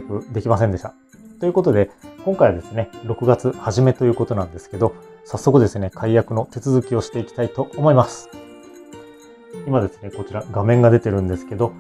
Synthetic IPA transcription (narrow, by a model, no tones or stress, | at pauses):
kɯ̟d̪e̞kʲmasẽnd̪e̞ɕt̪a | t̪o̞jɯ̟ko̞t̪o̞d̪e̞koŋkaiβad̪e̞sɨne̞ɾo̞kɯ̟ɡat͡sɨhaʑime̞t̪o̞jɯ̟ːko̞t̪onãnd̪e̞sɨ̥ke̞d̪o̞ | sasːo̞kɯ̟d̪e̞sɨne̞kʰaijakɯ̟no̞t̪e̞t͡sɨzɨkʲio̞ɕi̥t̪e̞ikʲi̥t̪ait̪o̞ʔːmo̞imasɨ̥ | imad̪e̞sɨ̥ne̞ko̞t͡ɕiɾaɡamẽ̞ŋɡad̪e̞t̪e̞ɾɯ̟̃nd̪e̞sɨ̥ke̞d̪o̞